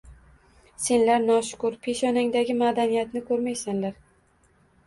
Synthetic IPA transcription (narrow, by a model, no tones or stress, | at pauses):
se̞nlaɾnɒʃʊ̥kʊɾpʰe̞ʃɒnaŋd̪aɡʲɪmad̪anijat̪nɪkʰɵɾmajsanlaɾ